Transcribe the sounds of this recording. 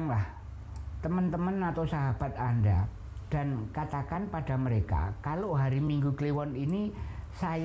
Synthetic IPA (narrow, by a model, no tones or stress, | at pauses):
ŋlah | t̪əmənt̪əmənat̪awsaɦab̥a̤t̪̚anda | d̥a̤nkat̪akanpad̥a̤məɾeka̰kaloɦaɾimiŋɡukliwɔninisaj